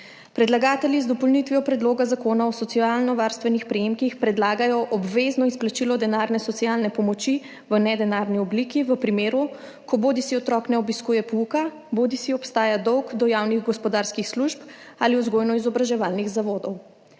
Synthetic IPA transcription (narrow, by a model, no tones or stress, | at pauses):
pɾɛd̪laɡaːt̪ɛljizd̪ɔpɔlnit̪ʋijɔpɾɛd̪loːɡazakoːnaɔsɔtsialnɔʋaɾst̪ʋɛnixpɾɛjemkixpɾɛd̪laːɡajɔʔɔbʋeznɔisplat͡ʃilɔd̪ɛnaɾnɛsɔt̪sijalnɛpɔmɔt͡ʃi | ʋənɛd̪ɛnaːɾniɔblikiʋəpɾimeːɾu | kɔbod̪isiɔt̪ɾɔːknɛɔbiskuːjɛpuka | boːd̪isiɔpst̪aːjad̪ɔwɡd̪ɔjawniɣɡɔspɔd̪aːɾskixsluʃp | aliuzɡoːjnɔizɔbɾaʒɛʋaːlniɣzaʋoːd̪ɔw